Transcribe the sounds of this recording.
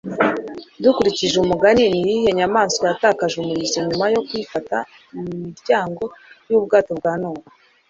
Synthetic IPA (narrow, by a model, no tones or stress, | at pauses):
dukuɾiciʒeumuɡaninijihe̞ɲamaːnsojataːkaʒumuɾizeɲumajo̞kwifata | mumiɾɟaːŋɡo̞juːbɡaːto̞b̚ɡwaːnoːwa